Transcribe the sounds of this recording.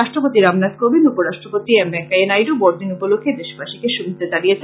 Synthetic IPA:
aʃʈɾopot̪iɾamnat̪kobinupoɾaʃʈɾopot̪iɛmbɛŋkaenajɾobɔɾd̪inupolokʰːed̪eʃpaʃikeʃubʱid̪ʱːed͡ʑalijet͡ɕʰ

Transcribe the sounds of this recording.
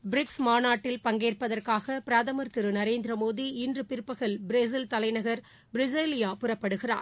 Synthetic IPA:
bɪɾɪksmaːnaːʈːɪlpɐŋɡeːrpɐðɐrkaːɣɐpɪɾɐðɐmɐɾt̪ɪɾɯnɐɾeːnd̪ɪɾɐmoːðiɪndrɯpɪɾɯpːɐɣɐlbɪɾeːs̬ɪlt̪ɐlɐɪnɐɣɐɾ | bɾɪseːlɪjaːpʊrɐpːɐɽɯɣɪra̰ːɾ

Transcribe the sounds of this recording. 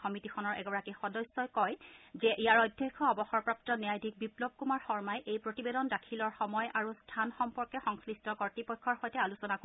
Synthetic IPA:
xɔmitixʰɔnɔɹʔɛ̰ɡɔɹakixɔdɔsːɔjkɔjzɛʔijaɹojdʱːɛkʰːɔɔbɔxɔɹpɹap̚tɔnɛjajdʱik̚biplɔb̚kumaɹxɔɹmajʔejpɹotibedɔndakʰilɔɹxɔmɔjʔaɹustʰanxɔmpɔɹkɛxɔŋslistɔkɔɹtipɔkʰːɔɹxɔjtɛalusɔnak

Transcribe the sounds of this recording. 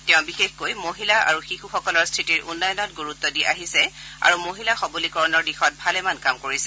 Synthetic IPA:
tɛʊ̃bixexkojmoɦilaa̰ɹuxixuxɔkɔlɔɹstʰɹitiɹʔunːajɔnɔtɡuɹutːɔdiʔaɦisɛa̰ɹumoɦilaxɔbulikɔɹɔnɔɹdixɔt̚bʱalɛmankamkoɹisɛ̥

